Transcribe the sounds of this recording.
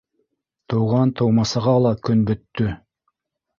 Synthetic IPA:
t̪ʰowʁɑnt̪ʰowmɑsəʁɑlˠɑkʲʰʏnbɵt̪ːʏ

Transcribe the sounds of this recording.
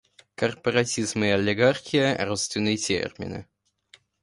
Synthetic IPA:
kərpəɾɐtʲizmɨɐlʲɪɡarxʲɪjərot̪st̪vʲɪnːɨjətʲḛrmʲɪ̰nɨ̰

